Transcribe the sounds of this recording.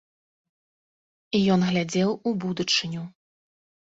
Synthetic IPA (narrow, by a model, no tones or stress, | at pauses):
ijɔnɣlʲad͡zʲɛwubud̪ut͡ʂɨnʲu